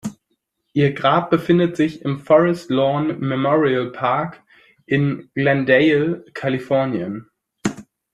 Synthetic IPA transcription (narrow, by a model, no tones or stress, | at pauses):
ʔiːɐɡʁaːp̚b̥əfɪndətz̥ɪçɪmfɔʁɛstlɔnmɛmɔʁiəlpʰaɐk | ʔɪnɡ̥lɛndɛɪlkʰalifɔɐnjən